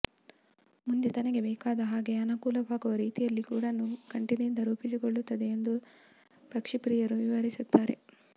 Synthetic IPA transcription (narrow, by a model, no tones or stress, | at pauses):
mund̪et̪ɐnɐɡe̞bɛːkaːd̪ɐɦaːɡe̞ɐnɐkuːlɐʋaːɡuʋɐɾiːt̪ijɐlːikuːɽɐnːukɐɳʈinind̪ɐɾuːpisikoɭːut̪ːɐd̪eːnd̪u | pɐkʂipɾiːjɐɾuʋiʋɐɾisut̪ːaːɾe̞̰